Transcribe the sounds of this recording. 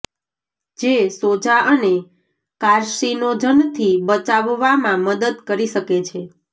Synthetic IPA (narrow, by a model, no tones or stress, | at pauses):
d͡ʒesod͡ʒaʔəne | kaɾʃinod͡ʒənt̪ʰibət͡ʃaʋːamãməd̪əd̪kəɾiʃəket͡ʃʰe